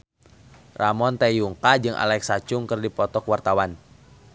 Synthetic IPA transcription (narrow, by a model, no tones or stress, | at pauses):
rʔamɔnt̪ɛjuŋkad͡ʒɨŋʔa̰lɛksat͡ʃuŋkɨrdipɔt̪ɔkwart̪awan